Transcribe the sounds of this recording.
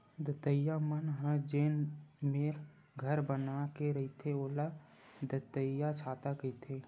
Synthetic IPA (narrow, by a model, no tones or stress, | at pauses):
d̪ət̪əjamənɦãd͡ʒeːnmeːɾ | ɡʱəɾbənakeɾəɦit̪ʰeoːla | d̪ət̪əjat͡ʃʰaːt̪akəit̪ʰe